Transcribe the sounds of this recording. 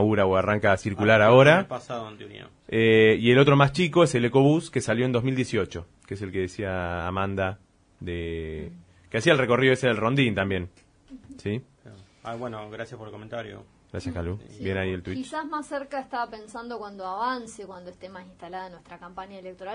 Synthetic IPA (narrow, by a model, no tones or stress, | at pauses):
uɾaoaraŋkasiɾkulaɾao̞ɾapasaðoent̪eoɾḭa̰meie̞lo̞t̪ɾo̞mast͡ʃiko̞eseleko̞βuskesaljo̞end̪o̞mild̪jesio̞t͡ʃo̞ | kes̬elke̞ðesia̰ːmãnd̪a | ðe | keasiaelreko̞riðo̞eseðelro̞nd̪int̪ambjẽ̞n | si | a | aβwenoɣɾasjaspoɾelkoment̪aɾjo̰ | ɡɾa̰sjaskalubjenaielt̪wikit͡ʃsazmasːeɾkaest̪aβapensand̪okwand̪oaβansekwand̪oeht̪emasinst̪alaðanweht̪ɾakampaɲjaelek̚t̪oɾal